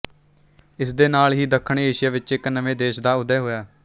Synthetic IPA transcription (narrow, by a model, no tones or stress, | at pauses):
ɪsd̪eːnaːlɦiːd̪əkʰəɳːeːʃɪjaːʋɪt͡ʃɪknəʋẽːd̪eːʃd̪aːʊd̪ɛːɦoːjaː